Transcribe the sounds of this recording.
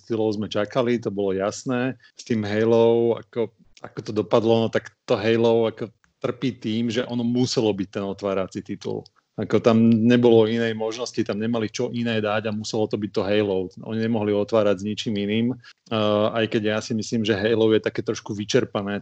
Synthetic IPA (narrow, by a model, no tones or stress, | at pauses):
st̪ilɔʊzmɛt͡ʃakalit̪ɔbɔlɔjasnɛː | st̪iːmɦɛjlɔʊa̰kɔ | a̰kɔt̪ɔd̪ɔpad̪lɔnɔt̪akt̪ɔɦɛjlɔʊakɔ | t̪r̩piːt̪iːmʒɛʔɔnɔmusɛlɔbic̚t̪ɛnɔt̪ʋaːɾat͡sit̪it̪ṵl | akɔt̪amɲɛbɔlɔinɛjmɔʒnɔscit̪amɲɛmalit͡ʃɔʔinɛːd̪aɟamusɛlɔt̪ɔbic̚t̪ɔɦɛjlɔʊɔ̰ɲiɲɛmɔɦliɔt̪ʋaːɾaɟzɲit͡ʃiːminiːm | ajkɛɟjasimisliːmʒɛɦɛjlɔʊjɛt̪akɛːt̪ɾɔʃkuʋit͡ʃɛɾpanɛː